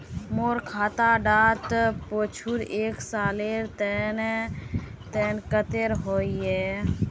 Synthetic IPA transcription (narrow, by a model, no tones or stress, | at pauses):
moːɾkʰaːt̪aɖaːt̪poːt͡ʃʰuɾeːksaːleɾt̪ɛn | t̪ɛːnkət̪eɾɦoːiɛː